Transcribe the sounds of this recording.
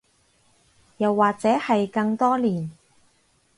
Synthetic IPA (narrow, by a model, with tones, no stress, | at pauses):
jɐ˨˩wːaː˨˩k̚t͡sɛː˨˥hɐ˨jkɐ˧ŋt̪ɔː˥liː˨˩n